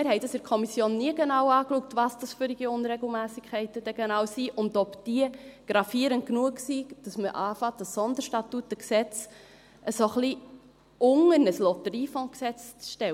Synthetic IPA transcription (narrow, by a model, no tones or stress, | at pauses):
mɪɾɦɛɪdɑsɪɾkʰɔmisjoːnːiəɡ̥enɑwɑːkluək̚tʋɑsd̥ɑsføɾiɡ̥iʊnɾɛɡl̩ˠmæːsikʰχɛɪtəd̥ɛɡ̥enɑːwsiʔʊndɔpd̥iəɡ̥ɾɑfiəɾənt̚knuəksid̥ɑsməʔɑːfɑt̚d̥ɑsɔnd̪əɾʃtɑtut̚ːəksɛt͡s | ʔəsoχli | ʊŋəɾnəslɔtəɾiːfɔ̃ːksɛt͡st͡sʃtɛw